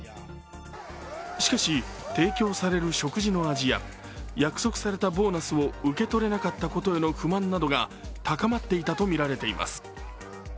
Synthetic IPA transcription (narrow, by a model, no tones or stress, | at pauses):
ɕi̥kaɕit̪e̞ːkʲo̞ːsaɾe̞ɾɯ̟ɕo̞kɯ̟ʑino̞aʑija̰ | jakɯ̟̥so̞kɯ̥saɾe̞t̪abo̞ːnasɨo̞ɯ̟ke̞t̪o̞ɾe̞nakat̪ːako̞t̪o̞e̞no̞ɸɯ̟mãnːad̪o̞ɡat̪akamat̪ːe̞it̪at̪o̞mʲiɾaɾe̞t̪e̞ḭmʔa̰sɨ̥